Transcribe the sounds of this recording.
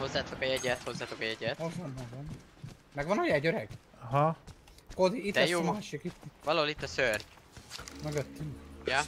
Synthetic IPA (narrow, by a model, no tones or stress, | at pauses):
ho̞zːaːt̪okɒjɛɟɛt̪ho̞zːaːt̪okɒjɛɟɛt̪oɒnɦoɒn | mɛɡʋɒnɒjɛɟøɾɛɡ | ɒɦɒ | kod̪iit̪ːɛsjommaːʃikit̪ːʋvɒlɒɦolit̪ːɒsørɟ | møɡøt̪ːyŋkjɑ